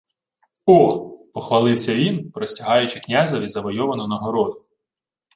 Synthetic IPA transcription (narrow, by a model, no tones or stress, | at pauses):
ɔpɔxʋɐlˠɪwsʲɐʋʲinpɾɔsʲtʲɐɦɑjʊt͡ʃɪknʲazɐʋʲizɐʋɔjɔʋɐnɔnɐɦɔɾɔd̪ʊ